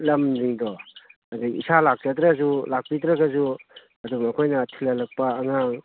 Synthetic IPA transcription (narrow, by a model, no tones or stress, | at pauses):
lɐmdiŋdɔ | adikḭsalak̚d͡ʒadɾazulak̚pidɾaɡazu | ɐdumɐkʰojnɐtʰilɐlɐk̚paːŋaŋ